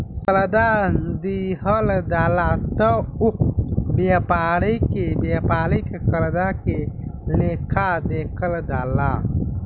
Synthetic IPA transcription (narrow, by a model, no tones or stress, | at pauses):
kɐlɐd̪and̪iɦəld̪aːlat̪əubepaːɽəjkebepaːɾəjkekɐlɐd̪aːkelekʰad̪ekʰəld̪aːla